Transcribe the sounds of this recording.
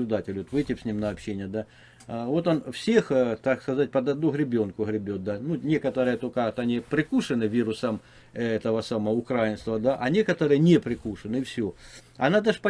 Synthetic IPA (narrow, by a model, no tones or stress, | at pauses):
lʲʊd̪atʲɪlʲot̪vɨjtʲɪfsʲnʲimnɐɐpɕːenʲɪjəd̪a | vo̞t̪onfsʲe̞xt̪akskɐzat̚ʲpɐd̪ɐd̪nuɣɾʲɪbʲo̞nkʊɣɾʲɪbʲot̪̚d̪anunʲe̞kət̪əɾɨjət̪okət̪ɐnʲipɾʲɪkuʂɨnɨvʲiɾʊsəm | ɛt̪əʋəsaməvəʊkɾajɪnst̪vɐd̪aʔɐnʲekət̪əɾɨjənʲepɾʲɪkuʂɨnɨfsʲoɐ̰nad̪əʂpɐ